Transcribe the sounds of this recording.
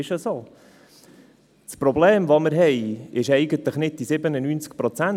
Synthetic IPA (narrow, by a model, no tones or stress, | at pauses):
ɪʃəsoː | spɾɔbleːmʋoməɾɦɛjɪʃɛɪɡənt̪ləχnɪd̚d̥isɪbənənyːnt͡sk̚pɾɔt͡sæn